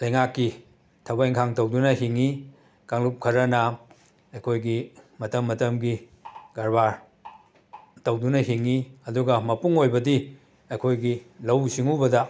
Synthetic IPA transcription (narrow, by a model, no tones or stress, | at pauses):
lɐjŋakːi | tʰɐbajŋkʰaŋtɐwdunɐɦiŋi | kaŋlup̚kʰɐɾɐnɐ | ɐjkʰojɡimɐtɐmːɐtɐmɡi | ɡɐɾbaɾ | tɐwdunɐɦiŋiɐduɡɐmɐpuŋojbɐdi | ɐjkʰojɡilɐwsiŋubɐdɐ